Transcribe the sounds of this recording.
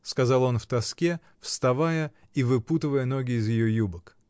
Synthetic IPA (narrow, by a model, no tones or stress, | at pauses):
skɐzɑlˠo̞nft̪ɐskʲe | fst̪ɐvajə | ivɨput̪ɨvəjəno̞ɡʲɪːzjɪjo̞jubək